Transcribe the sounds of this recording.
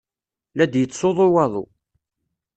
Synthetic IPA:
læd̪jət͡sːoðˤowɑðˤo̰

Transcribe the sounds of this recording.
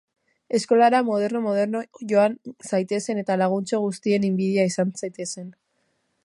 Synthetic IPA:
e̞sko̞laɾamo̞ð̞e̞ɾnomo̞ð̞e̞ɾnoʝo̞ansajt̪e̞se̞ne̞t̪alaɣ̞unt͡soɣ̞ust̪ie̞nimbiðiaisansajt̪e̞se̞n

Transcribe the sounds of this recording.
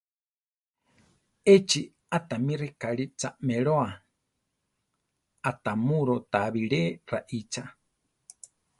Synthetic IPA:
et͡ʃi | at̪amĩrɛkaɺit͡sameɺoa | at̪amuɾot̪aβiɺeraʔit͡ʃa

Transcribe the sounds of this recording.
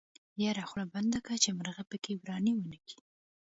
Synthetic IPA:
jaɾaxɽaband̪akat͡ʃemaɾɣapəkewɾɑniwənəkʰi̥

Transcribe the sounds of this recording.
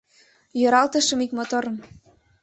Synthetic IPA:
jøɾɑlt̪ə̆ʃə̆mikmot̪oɾə̆m

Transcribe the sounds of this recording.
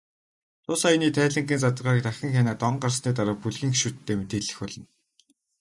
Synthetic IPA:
t̪ʰʊːsajniːt̪ʰæːɮɘ̆ŋɡʲiːnt͡sat̪ə̆rʁaːɾk̚t̪axʲɪ̆ŋxʲaːnaːt̪ɔɴɢarsniːt̪aɾə̆puɮxiːŋxeʃuːt̪ʰːeːmet̪eːɮɘ̆xpɔɮɞ̆n

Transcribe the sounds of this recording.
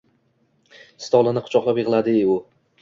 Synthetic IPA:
st̪ɒlˠɪnɪqʰʊ̥t͡ʃʰɒqlˠapjɪʁɨlˠad̪ɪʊ

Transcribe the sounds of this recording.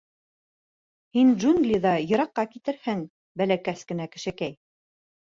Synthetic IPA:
hinʒunɡlʲiðɑjɤ̆ɾɑqːɑkit̪ɘ̆ɾhɘŋ | bælækæskɘ̆nækɘ̆ʃɘ̆kæj

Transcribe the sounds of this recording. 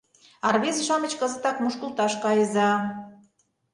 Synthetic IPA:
ɑrβʲezʃɑmət͡ɕkə̆zə̆t̪ɑkmuʃkəlˠt̪ɑʃkɑjə̆zɑ

